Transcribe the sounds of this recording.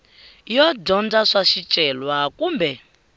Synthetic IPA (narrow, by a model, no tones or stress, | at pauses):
jɔdɔnd͡zaʂaʃit͡ʃʼɛlwakuːmbɛ